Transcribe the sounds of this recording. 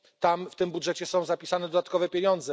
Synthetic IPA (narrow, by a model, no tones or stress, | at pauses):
t̪amft̪ɘmbudʐɛt͡ɕɛsɔ̃w̃zapʲisanɛd̪ɔd̪at̪̚kɔvɛpʲjeɲɔnd̪zɛ